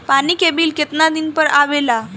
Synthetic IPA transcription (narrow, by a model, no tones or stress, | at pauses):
paniːkebiːlket̪nad̪inpəɾaʋela